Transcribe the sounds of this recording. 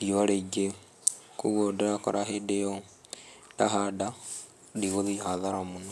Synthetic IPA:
diaɾeiɡe | kuɣodeɾako̰ɾaɦedejo | daɦada | diɣoðihaðaɾamuno

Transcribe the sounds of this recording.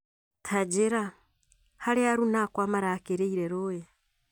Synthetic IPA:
tʰad͡ʒiɾa | haleaɾunaːkwaːmaɾakeɾeiɾeɾoje

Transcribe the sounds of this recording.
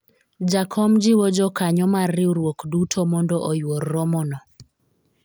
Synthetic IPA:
d͡ʒakʰɔmd͡ʒɪwɔd͡ʒɔkaɲɔmarːɪuɾwokdutʰomɔndɔʔɔjworːɔmɔnɔ

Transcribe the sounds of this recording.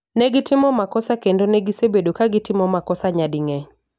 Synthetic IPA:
nɛɡɪtɪmɔmakɔsakendonɛɡisebedokaɡɪtɪmɔmakɔsaɲadɪŋɛ

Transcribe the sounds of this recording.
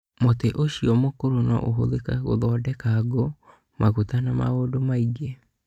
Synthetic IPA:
moteʔoɕiɔmokoɾonɔ̰ʔo̰ɦo̰lekaɣo̰ðɔːdɛkaɡo | mʔaɣutanama̰ɣoːdomaiɡe

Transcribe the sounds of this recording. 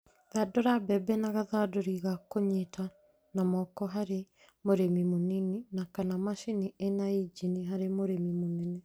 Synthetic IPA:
ðadoɾabɛbɛnaɣaðaːdoɾiɣakoɲetʰa | namɔkɔɦaɾe | moɾemimonininakanamaʃinienaid͡ʒiniɦaɾemoɾemimonɛnɛ

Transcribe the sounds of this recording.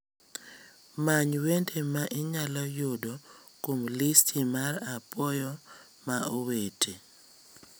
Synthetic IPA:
maɲwentʰemaʔɪɲalɔjodo | komlistʰimaɾapɔjɔ | maʔowetʰe

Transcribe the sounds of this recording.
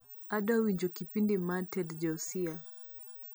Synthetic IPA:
aɗɔwiɲd͡ʒɔkipindimatɛld͡ʒɔsia

